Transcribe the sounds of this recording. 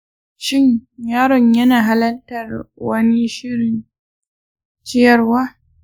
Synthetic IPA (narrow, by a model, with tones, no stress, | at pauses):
ʃɪ˦˨ɲjaː˦ɾɔ˨ɲjɐ˦naː˨ɦa˦lɐ˦ltɐ˨rwɐ˦ni˦ʃɪ˦ɽɪ˨n | t͡ʃɪ˦jɐ˨rwaː˦